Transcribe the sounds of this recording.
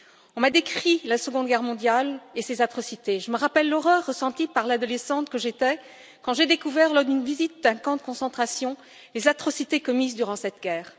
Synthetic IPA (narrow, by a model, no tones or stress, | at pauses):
ɔ̃mad̪ekχilasəɡɔ̃d̪ɡʲɛʁmɔ̃d̪jalesezat̪χɔsit̪eʒəməʁapɛlːɔʁœʁːəsɑ̃t̪ipaʁlad̪ɔlesɑ̃t̪kəʒet̪ɛ | kɑ̃ʒed̪ekuvɛʁlɔʁd̪ynvizit̪̚d̪ɛ̃kɑ̃d̪əkɔ̃sɑ̃t̪χasjɔ̃ | lezat̪χɔsit̪ekɔmizd̪yʁɑ̃sɛt̪ɡʲɛːʁ